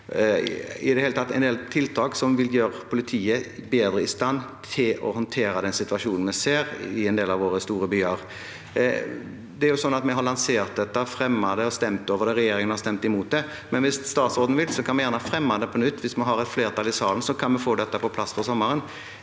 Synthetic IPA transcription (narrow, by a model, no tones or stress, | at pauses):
ɪd̪ɛheːlət̪ɑt̪ːɛɪnd̪eːlt̪ʰɪlt̪ʰɑːksɔmʋɪljøːɾəpʰʊlɪt̪ʰiːəbeːd̪ɾəɪst̪ɑnːt̪ʰɪlɔ̰hɔnt̪ʰeːɾɑd̪ɛnsɪt̪ʉɑʂuːnn̩mɛseːɾɪɛnd̪eːlɑʋoːɾʁəst̪uːɾəbyːɑɾ | d̪ɛæɾjʊsɔnːɑt̪mɛɦɑɾlɑnseːɾt̪̚d̪ɛt̪ːəfʁɛmːɑd̪ɛɔst̪ɛmt̪oːʋəɾd̪ɛʁɛjeːɾɪŋənhɑɾst̪ɛmt̪ɪmuːt̪̚d̪ɛ | mɛnʋɪsst̪ɑːt̪sɔːd̪n̩ʋɪlsɔkʰɑnmɛjæːʁnəhɑfɾɛmːɑd̪ɛpʰɔnʏt̪ːʋɪsmɑnɦɑɾɛt̪fleːɾt̪ʰɑlɪsɑːln̩sɔkʰɑnmɛfoːd̪ɛt̪ːəpɔpʰlɑsfɔʁsɔməɾən